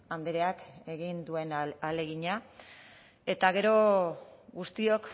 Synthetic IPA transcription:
and̪eɾe̞ake̞ɣind̪ue̞nale̞ɣiɲa | e̞t̪aɣ̞e̞ɾo̞ | ɡust̪io̞k

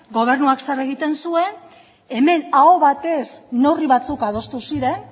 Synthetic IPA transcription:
ɡo̞β̞e̞ɾnuaksareɣ̞it̪e̞nsue̞n | e̞me̞naoβat̪e̞sno̞riβat͡sukað̞o̞st̪usiɾe̞n

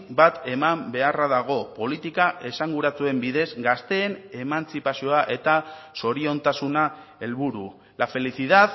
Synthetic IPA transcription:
bat̪e̞mambe̞araðaɣ̞o̞po̞lit̪ikaʔe̞saŋɡuɾat͡sue̞mbiðe̞zɡast̪e̞ːne̞mant͡sipasio̞aʔe̞t̪aso̞ɾio̞nt̪asunae̞lβuɾu | lafe̞liθiðað

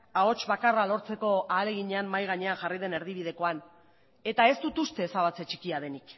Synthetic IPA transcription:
ao̞t͡ʃβakaralo̞ɾt͡se̞ko̞aːle̞ɣ̞iɲe̞amːajɣ̞aɲe̞aŋxarið̞e̞ne̞ɾðiβ̞ið̞e̞ko̞an | e̞t̪ae̞st̪ut̪ust̪e̞ːsaβat͡se̞t͡ʃi̥kiaðe̞nik

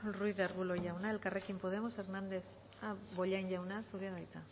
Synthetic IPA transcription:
ruiðeɾɣulo̞ʝawnae̞lkare̞kimpo̞ð̞e̞mose̞ɾnand̪e̞θ | aβo̞ʎajɲʎawnasuɾeaðajt͡s̪a

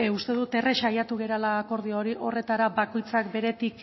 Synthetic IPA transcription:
ust̪e̞ðut̪e̞reʃajat̪uɣe̞ɾalaːko̞ɾð̞ioɾiʔo̞re̞t̪aɾabako̞jt͡sakbe̞ɾe̞t̪ik

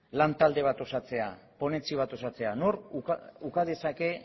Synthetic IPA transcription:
lant̪ald̪e̞β̞at̪o̞sat͡se̞apo̞ne̞t͡siβ̞at̪o̞sat͡se̞anoɾukaðe̞sake̞

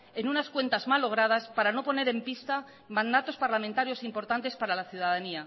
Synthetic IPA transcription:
e̞nunaskwe̞nt̪azmalːo̞ɣ̞ɾað̞aspaɾano̞po̞ne̞ɾe̞mpist̪a | mãnd̪at̪o̞spaɾlamẽnt̪aɾjo̞simpo̞ɾt̪ant̪e̞spaɾalaθjuðað̞ania

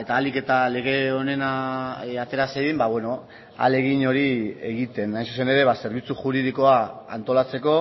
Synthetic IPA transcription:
e̞t̪aːlike̞t̪ale̞ɣ̞e̞one̞naat̪e̞ɾasejðimbaβwe̞no̞ | a̰le̞ɣiɲo̞ɾie̞̰ɣit̪e̞najnsu̥se̞ne̞ɾe̞βase̞ɾβit͡suxuɾið̞iko̞aa̰nt̪o̞lat͡se̞ko̞

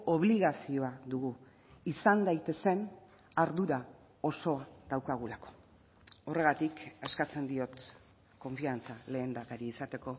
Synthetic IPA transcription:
o̞βliɣasio̞aðuɣu | isand̪ajt̪e̞se̞n | aɾðuɾa | o̞so̞aðawkaɣ̞ulako̞̥ | ore̞ɣ̞at̪ikeskat͡se̞nd̪io̞t̪ | ko̞ɱfiant͡sale̞ːnd̪aɣaɾiːsat̪e̞ko̞

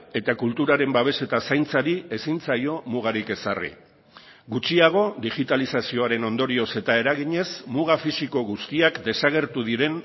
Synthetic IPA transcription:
e̞t̪akult̪uɾaɾe̞mbaβe̞se̞t̪asajnt͡saɾie̞sint͡sajo̞muɣ̞aɾike̞sarḭ | ɡut͡ʃiaɣ̞o̞d̪iɣit̪alisasio̞aɾe̞no̞nd̪o̞ɾio̞se̞t̪ae̞ɾaɣiɲe̞smuɣafisiko̞ɣust̪iakd̪e̞saɣ̞e̞ɾt̪uð̞iɾe̞n

